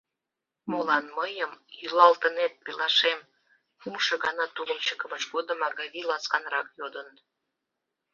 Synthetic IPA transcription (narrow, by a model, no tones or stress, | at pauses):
molɑnməjəmjylɑlt̪ənet̪̚pelɑʃem | umʃə̆ɣɑnɑt̪uləmt͡ɕəkəməʃɡod̪əmɑɣɑβilɑskɑnrɑkjod̪ən